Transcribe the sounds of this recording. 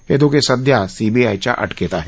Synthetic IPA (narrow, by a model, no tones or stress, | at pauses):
ed̪okesɐd̪ʱjasiːbiaːjt͡ʃa̰ʔɐ̰ʈʰket̪aɦɛ